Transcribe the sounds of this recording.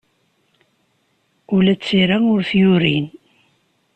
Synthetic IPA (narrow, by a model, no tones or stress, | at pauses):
ʊlæt͡sːiɾaʊɾθjʊɾin